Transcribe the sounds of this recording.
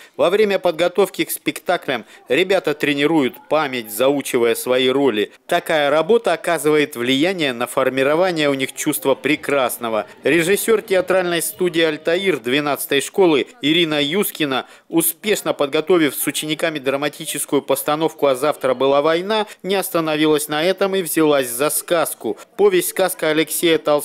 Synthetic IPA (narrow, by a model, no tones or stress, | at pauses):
vɐvɾʲemʲəpəd̪̚ɡɐt̪o̞fkʲɪkspʲɪkt̪aklʲəmɾʲɪbʲat̪ət̪ɾʲɪnʲɪɾujʊt̪pamʲɪt̚ʲzɐut͡ɕɪvəjəsvɐiɾolʲɪt̪ɐkajəɾɐbo̞t̪əːkazɨvəjɪt̪vlʲɪjænʲɪjənəfərmʲɪɾɐvanʲɪjəʊnʲixt͡ɕust̪vəpɾʲɪkɾasnəvəɾʲɪʐɨsʲːo̞rtʲɪɐt̪ɾalʲnəjst̪udʲɪːɐlʲt̪ɐird̪vʲɪn̪at̪sɨ̥t̪əjʂko̞lˠɨɪɾʲinəjuskʲɪnə | ʊspʲe̞ʂnəpəd̪̚ɡɐt̪o̞vʲɪfsʊt͡ɕɪnʲɪkamʲɪd̪ɾəmɐtʲit͡ɕɪskʊjʊpəst̪ɐno̞fkʊɐzaft̪ɾəbɨlˠavɐjnanʲɪɐst̪ənɐvʲilˠəsʲnɐɛt̪əmivzʲɪlˠasʲzɐskaskʊpo̞vʲɪsʲtʲskaskəɐlʲɪksʲejət̪ɐlˠ